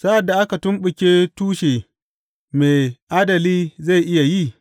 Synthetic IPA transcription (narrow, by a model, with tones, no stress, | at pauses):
saː˦ʔa˨dːa˨ʔa˦ka˨tʊ˦mɓʊ˨kʲeː˦tuː˦ʃeː˨ | me˨ʔaː˦dɐ˨liː˦za˦˨jʔɪ˦ja˨ji˦˨